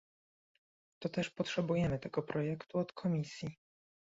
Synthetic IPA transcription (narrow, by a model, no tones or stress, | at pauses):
t̪ɔt̪ɛʂpɔtʂɛbujɛmɘt̪ɛɡɔpɾʔɔjɛkt̪uɔt̪kʰɔmʲisʲji